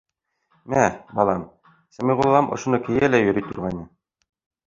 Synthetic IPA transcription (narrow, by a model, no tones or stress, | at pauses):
mæbɑlˠɑm | sæmiʁulˠːɑmʔŏ̰ʃŏnɤkɘ̆jælæjɵ̆ɾit̪ŭɾʁɑjnɤ